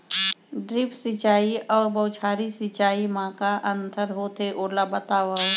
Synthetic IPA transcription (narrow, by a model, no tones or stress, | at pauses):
ɖɾɪpʰsɪt͡ʃaːiɔːɾbəwt͡ʃʰaːɾisɪt͡ʃaːimãːkaʔə̃nt̪ʰəɾɦoːt̪ʰeʔoːɾlabət̪aːwə